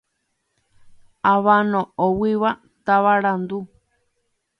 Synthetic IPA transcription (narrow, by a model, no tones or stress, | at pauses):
aβanõowiβa | t̪aβaɾand̪u